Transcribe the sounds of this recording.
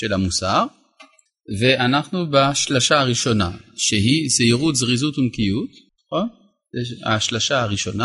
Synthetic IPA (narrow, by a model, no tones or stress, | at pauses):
ʃelamusaʁ | veʔanaχnubaʃlaʃaaʁiʃo̞na̰ʃeɦizeiʁut̪zʁizut̪umkijut̪ | aχo̞n | zeʃa̰ʃlaʃaaʁiʃo̞na